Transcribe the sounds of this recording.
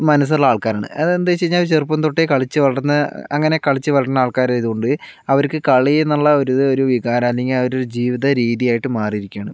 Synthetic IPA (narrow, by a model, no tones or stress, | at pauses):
mɐnɐs̬ɐɭːɐaːɭkaːɾaːɳɨ̰ɐðend̪at͡ɕejiɲːalt͡ɕerpːɐnt̪oʈːekɐɭit͡ɕːɨʋɐɭɐɐnːɐɐ̰ŋːɐne̞kɐɭit͡ɕːɨʋɐɭɐɽɐnːɐaːɭkaːɾajðuɣo̞ɳɖɨ | ɐʋɐɾkːɨkɐɭienːɐɭːɐo̞ɾuðo̞ɾuʋiɣaːɾɐmːlːeŋɡilɐʋɐɾoɾud͡ʑiːʋiðɐɾiːðijaːjiʈːɨmaːrijɾikʲːaːɳɨm